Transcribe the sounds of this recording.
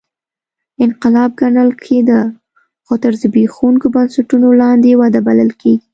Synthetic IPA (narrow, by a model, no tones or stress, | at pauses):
ɪnqɪlɑb̚ɡaɳəlkʰed̪ə | xot̪əɾzəbexuŋkobansaʈunolɑnd̪ewɑd̪abaləlkeɡi